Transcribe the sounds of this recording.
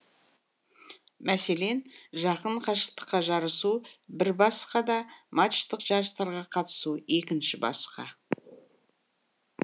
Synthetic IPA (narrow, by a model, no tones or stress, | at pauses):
mʔæse̞le̞nʒɑqəɴqʰɑʃət̪ə̥qːɑʒɑɾəsubɪɾbɑsqɑd̪ɑmat͡ʃt̪əqʒ̥ɑɾəst̪ɑɾʁɑqʰɑt̪ə̥sue̞kʲɪnʃɪbɑ̰sqɑ̰